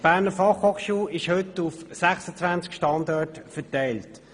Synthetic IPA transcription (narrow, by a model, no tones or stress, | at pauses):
b̥æːʁnəfɑχhoχʃuːɪʃhʏtufsæχsət͡sʋænt͡skʃtɑndɑːtfətɛɪlt